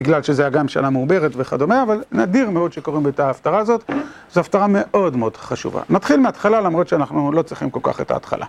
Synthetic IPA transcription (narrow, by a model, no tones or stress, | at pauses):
biɡlalʃezajaɡamʃa̰nameube̞ʁetveχado̞meːvalnadiʁmeo̞dʃeko̞ʁimbeet̪aːftaʁaːzo̞t̪ | zeaftaʁame̞ʔo̞dmeo̞d̥χaʃṵva̰nat̪χilmeat̪χalalamʁo̞t̪ʃeanaχnulo̞t͡sʁiχimko̞lka̰χe̞̰ta̰ːtχa̰la̰